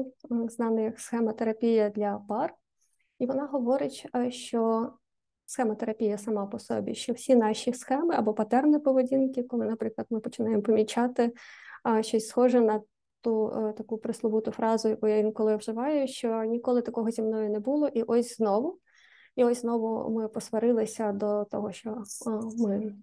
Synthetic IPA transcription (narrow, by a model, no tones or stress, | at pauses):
znɑnɪjɐksxɛmɐt̪eɾɐpʲijɐd̪lʲɐpɑr | iʋɔnɑɦɔʋɔɾɪt͡ʃʲʃt͡ʃɔ | sxɛmɐt̪eɾɐpʲijɐsɐmɑpɔsɔ̰bʲḭʃt͡ʃɔwsʲinɑʃʲisxɛmɪʔɐbɔpɐt̪ɛrnipɔʋedʲinkɪkɔlˠɪnɐpɾɪklˠɐd̪mɪpɔt͡ʃɪnɑjemɔpɔmʲit͡ʃɑt̪ɪ | ʃt͡ʃɔsʲsxɔʐɛnɐ | t̪ut̪ɐkupɾɪslˠʊbut̪ʊfɾɑzʊjɐkujaʋʲinkɔlˠɪʋʒɪʋɑjʊʃt͡ʃɔnʲikɔlˠɪt̪ɐkɔɦɔzʲimnɔjʊnɛbulˠɔʔiʔɔsʲznɔʋʊ | iɔsʲznɔʋʊ̰mɪpɔsʋɐɾɪlˠɪsʲɐd̪ɔt̪ɔɦɔʃt͡ʃɔmɪ